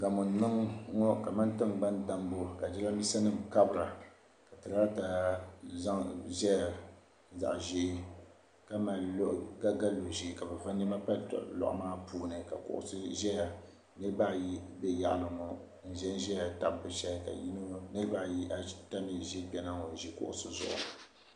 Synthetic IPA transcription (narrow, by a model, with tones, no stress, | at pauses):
ɡa˨mɔ˨n˨nɨ˦ŋŋɔ˦ka˨ma˦ntɨ˦ŋɡ͡ba˦nda˦mbo˦ka˨d͡ʒɛ˦la˦bi˦sa˦nɨ˦˨m˨ka˦bɨ˨ɾa˨ | ka˨tɨ˨ɾa˦ta˨˦za˦ŋʒɛ˦ja˨ | za̰˨ʔʒe˦ | ka˦ma˨˦ʔɡa˦ɡa˦lo˨ʒe˦ka˨bɛ˨va˦nɨ˦ma˦pa˦tlɔ̰˨ʔʊ̰˨˦maː˦puː˦nɨ˨ka̰˨kʊ̰˨ʔʊ̰˦sɨ˦ʒɛ˦ja˨ | nɨ˦ɾɨ˦ba˦ji˦bɛ˦ja̰˦˨ʔlɨ˨ŋɔ˨ | n̩˨ʒɛ˦nʒɛ˦ja˨ta˨bːɨ˨ʃɛ˦ka̰˨ji˦no˦nɨ˦ɾɨ˦ba˦ji˦a˦ta˦mi˨ʒe˦bɛ˦na˦ŋɔ˨n˨ʒi˦kʊ̰˦ʔʊ̰˦sɨ˦zʊ̰˨ʔʊ̰˨